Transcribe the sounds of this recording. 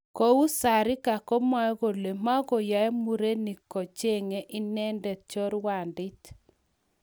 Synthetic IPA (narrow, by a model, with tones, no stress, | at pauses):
ko˦u˦sa˨ɾi˦ka˨kɔ˦ma˦ɣo˨le˨ma˦ɣo˨ja˨˦ɛ˦mu˨ɾe˦ni˨kɔ˨t͡ʃe˦˨ŋe˦ʔi˦nɛ˦ndɛ˨t͡ʃɔ˦ɾwa˨ndɪ˦t